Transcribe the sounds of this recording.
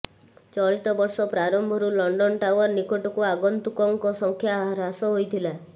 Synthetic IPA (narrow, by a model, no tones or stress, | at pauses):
t͡ʃɔɭit̪ɔbɔɾsɔpɾaɾɔmbʱɔɾulɔɳɖɔnʈawɔɾnikoʈɔkuaɡɔnt̪ukɔŋkɔsɔŋkʰjaɾɦasɔɦojt̪ʰila